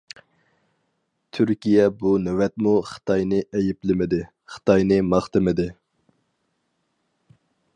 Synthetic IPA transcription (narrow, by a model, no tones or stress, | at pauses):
t̪ʰyɾkʲijɛbunɛwɛt̪̚muχɨ̥t̪ʰɑjnɨʔɛjɪplɪmɪd̪ɪ | χə̥t̪ɑjnɨmɑχt̪ɨmɪd̪ɪ